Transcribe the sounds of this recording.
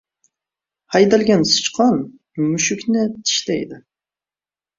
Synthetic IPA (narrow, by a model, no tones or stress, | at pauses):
hɑjd̪ælɡʲɛnsɨ̥t͡ʃqʰɑn | myʃykʲnɪt̪ʰi̥ʃlɛjd̪ɪ